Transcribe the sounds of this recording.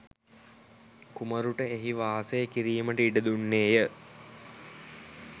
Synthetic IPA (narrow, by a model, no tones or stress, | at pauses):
kuməɾuʈəeɦiʋaːɦɐsejəkiɾiːməʈəiɖəd̪unːeːjə